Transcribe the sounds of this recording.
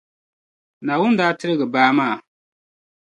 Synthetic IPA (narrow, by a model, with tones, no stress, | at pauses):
na˨wʊ˦n˦daː˦tɪ˦ɾɪ˦ɡɨ˨baː˦maː˦˨